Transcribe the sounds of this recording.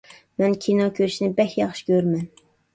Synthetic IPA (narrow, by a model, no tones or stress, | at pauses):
mɛnkʲʰinɑkʲʰøɾʃinɪbɛhʲjɑχʃɪ̥kʲʰøɾmɛn